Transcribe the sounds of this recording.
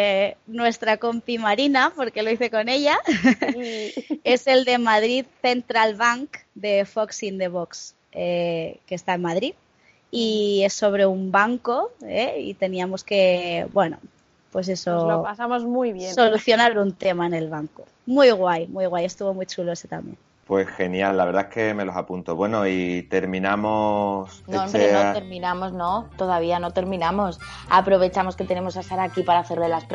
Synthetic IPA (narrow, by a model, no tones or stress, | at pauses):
nwe̞st̪ɾako̞mpimaɾinapo̞ɾke̞lo̞iθe̞ko̞ne̞ʎa | ese̞ld̪e̞mað̞ɾiðθe̞nt̪ɾalβaŋkd̪e̞foksind̪eβ̞oks | ekeːst̪aemmað̞ɾið | ie̞sːo̞β̞ɾe̞umbaŋko̞eḭt̪e̞niamo̞ske̞bwe̞no̰ | pwe̞s̬e̞soopasamozmujβjensoluθjo̞naɾunt̪e̞maene̞lβaŋko | mujɣwajmwujɣ̞waje̞st̪uβo̞mwujt͡ʃuloe̞set̪a̰mjḛn | pwe̞sxe̞njalːaβe̞ɾðaeke̞me̞losapunt̪oβwe̞no̞it̪e̞ɾmĩnamosnõɾenoeɾmĩnamoznot̪o̞ðaβ̞ianot̪e̞ɾmĩnamo̞s | apɾo̞βe̞t͡ʃamo̞ske̞t̪e̞ne̞mo̞saest̪aɾakipaɾaːθe̞ɾlelasp